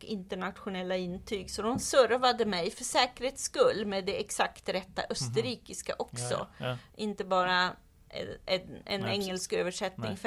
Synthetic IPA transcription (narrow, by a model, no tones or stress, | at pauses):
kɪnt̪əɳat̪ɧʊnɛlːaɪnːt̪ʰyːɡsɔd̪ɔmsœɾvad̪əmɛjfœʂɛːkəɾheːt̪skɵlːmeːd̪ɛɛksakt̪ɾɛt̪ːa̰ʔœst̪əɾiːkɪska̰ʔɔksɔ̰ʔɪnt̪əbɑːɾa̰ | ɛɛ̰nɛŋːəlskøːvəʂɛt̪nɪŋf